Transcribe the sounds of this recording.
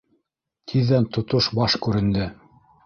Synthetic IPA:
t̪ʰiðːænt̪ŏt̪oʃbɑʃkʉɾɘ̆nd̪ɘ

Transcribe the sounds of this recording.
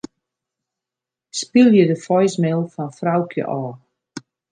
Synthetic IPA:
spilˠjədəfɔjsmɛlˠfɔnfrawkʰjə̰ʔɔː

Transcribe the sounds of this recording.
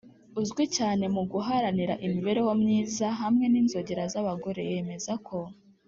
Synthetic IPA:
uzɡwicaːne̞muɡuɦaɾaniɾa̰ʔimiβe̞ɾe̞womɲiːzaɦamŋe̞niːnzo̞ɟeɾazaβaɡo̞ɾe̞̰je̞me̞zakʰo̞

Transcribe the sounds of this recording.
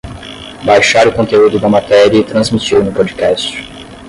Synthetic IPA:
bajʃaɾʊkõnt̪eud̪ʊd̪ɐmat̪ɛɾiɐɪt̪ɾɐ̃zmit͡ʃiɾnʊpɔd͡ʒikɛst͡ʃɪ̥

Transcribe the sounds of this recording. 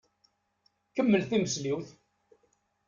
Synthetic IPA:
kəmːəlθiməsliwθ

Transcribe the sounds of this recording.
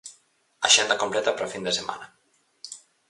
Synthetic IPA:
a̰ʒend̪akomplɛt̪apɾɔfind̪esema̰na

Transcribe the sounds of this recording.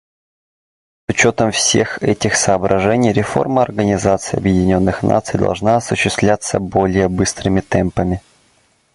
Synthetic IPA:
sʊt͡ɕot̪əmfsʲe̞̰xɛtʲɪxsəːbɾɐʐɛnʲɪjɾʲɪfo̞̰rməɐrɡənʲɪzat̪sɨjɐ̰bjɪdʲɪnʲo̞nːɨxnʔa̰t̪sɨjd̪ɐ̰lˠʐnaɐsʊɕːɪst̪vlʲat̪sːəbo̞lʲɪjəbɨst̪ɾɨmʲɪt̪ɛmpəmʲɪ

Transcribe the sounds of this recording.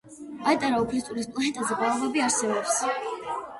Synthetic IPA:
at̪ʼaɾaupʰlit̪ʼuɾispʼlˠanɛt̪ʼazɛbalˠvɛbiaɾsɛbɔps

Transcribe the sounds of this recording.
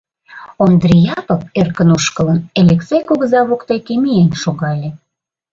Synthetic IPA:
ond̪rijɑpəp̚erkənuʃkələnelʲeksejkoɣə̆zɑβokt̪ejkemienʃoɣɑlʲe

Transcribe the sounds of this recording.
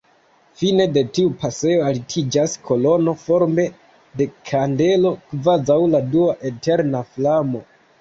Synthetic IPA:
fine̞de̞tiupase̞o̞alitʰid͡ʒaskʰo̞lo̞no̞fo̞ɾme̞ | de̞kʰande̞lo̞kvazawladuaʔete̞ɾnaflamo̞

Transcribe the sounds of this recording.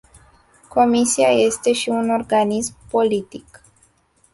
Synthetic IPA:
ko̞misiaje̞st̪e̞ʃiuno̞rɡanismpo̞lit̪ik

